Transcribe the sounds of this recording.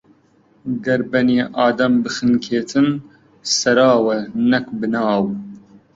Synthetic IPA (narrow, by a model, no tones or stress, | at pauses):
ɡɐɾbɐneːʔɑːd̪ɐmbɨxɨnkʰeːt̪ʰɨn | sɐɾɑːwɐnɐkbɨnɑːw